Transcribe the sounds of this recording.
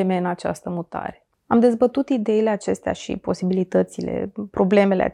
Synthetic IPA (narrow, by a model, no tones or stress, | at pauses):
eme̞ɨnat͡ʃa̰st̪əmut̪a̰ɾe̞̥ | amd̪e̞zbət̪ut̪id̪e̞ile̞at͡ʃe̞st̪ea̰ʃḭpo̞sibilit̪ət̪sile̞̰pɾo̞ble̞me̞lḛa̰